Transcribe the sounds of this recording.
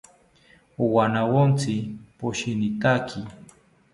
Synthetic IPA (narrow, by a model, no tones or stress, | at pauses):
wanawont͡sɪpʊʃɪnɪt̪akʰɪ